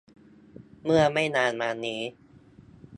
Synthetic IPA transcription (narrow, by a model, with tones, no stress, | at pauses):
mɯ˥˩ɐma˥˩jnaː˧nmaː˧niː˦˥